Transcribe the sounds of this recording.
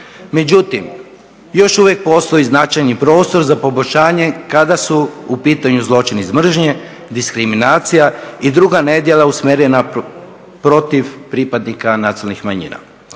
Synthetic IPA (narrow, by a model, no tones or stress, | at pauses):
me̞d͡ʑut̪im | jo̞ʃuʋjek̚po̞st̪o̞iznat͡ʃajnipɾo̞ːst̪o̞ɾzapo̞boʎʲʃaːɲe̞kad̪asuupiːt̪aɲuzlˠo̞t͡ʃinizmr̩ʒɲe | d̪iskɾiminaːt̪sijaid̪ɾuɡane̞d̪jelˠausmeɾena | pɾo̞t̪iʋpɾipad̪nikanat̪ilnixmaɲḭːna̰